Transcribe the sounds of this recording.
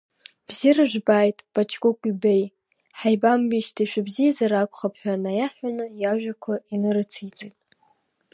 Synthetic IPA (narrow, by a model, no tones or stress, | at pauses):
b̥zirɨʒʷᶣbajtʼb̥at͡ʃʰʼkʼʊkʷʼibej | ħajbambiʃtʰiʃʷᶣabzijazaɾakʷʰʼχapʰħʷᶣanajaħanɨjaʒᶣʷakʷʰainɨɾɨt͡sʰijt͡sʼejtʼ